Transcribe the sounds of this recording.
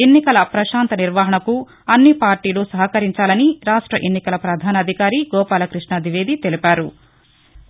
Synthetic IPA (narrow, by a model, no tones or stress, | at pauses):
enːikɐlɐpɾɐʃaːnt̪ɐniɾʋaːɦɐɳɐku | ɐnːipaːɾʈiːluːsɐɦɐkɐɾiɲt͡ʃaːlɐniɾaːʂʈɾɐʔenːikɐlɐpɾɐd̪ʱaːnɐd̪ʱikaːɾiɡɔːpaːlɐkɾiʂɳɐd̪ʱiʋeːd̪it̪e̞lipaːɾu